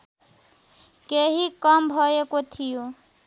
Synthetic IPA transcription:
keɦikʌmʱɔjekot̪ʰijo

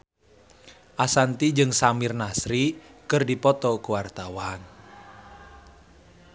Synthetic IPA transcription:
ʔasant̪id͡ʒɨŋsamirnasɾikɨrdipɔt̪ɔkuwart̪awaan

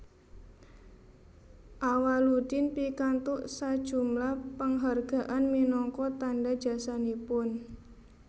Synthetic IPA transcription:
ʔawalud̥inpikant̪ʊʔsad̥ʒ̥ṳmlahpəŋɦarɡ̥a̤ʔanminɔŋkɔt̪andad̥ʒ̥a̤sanipʊn

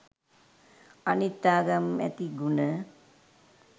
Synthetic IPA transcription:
anit̪ːaːɡɐmɛ̰t̪iɡunə

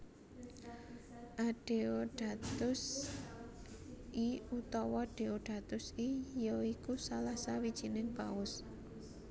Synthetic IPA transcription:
ʔaɖ̥eoɖ̥a̤t̪ʊs | ʔiut̪ɔwɔɖ̥e̤oɖ̥a̤t̪ʊsijɔikusalasawid̥ʒ̥i̤nɪŋb̥aʊs

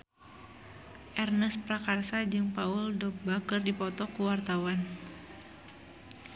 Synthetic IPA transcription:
ʔɛrnəspɾakarsad͡ʒɨŋpauldɔk̚bakərdipɔt̪ɔkuwart̪awan

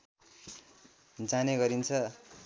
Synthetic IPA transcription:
d͡zaneɡʌɾint͡sʰʌ

